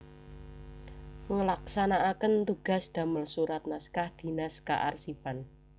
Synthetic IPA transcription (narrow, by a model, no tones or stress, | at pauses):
ŋəlaksanaʔakənt̪uɡ̥a̤sd̪̥a̤məlsuɾat̪̚naskahd̪̥i̤naska̰ʔa̰rsipan